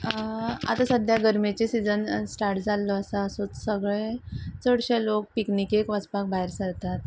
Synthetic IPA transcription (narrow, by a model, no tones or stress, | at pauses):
a̰t̪asəd̪ʱjaɡəɾmet͡ɕisid͡zənsʈaɾʈd͡zalːɔəsəəsot͡ssəɡɭet͡səɽɕelok̚piknikekʋəd͡zpak̚baɦeɾsəɾt̪at̪̚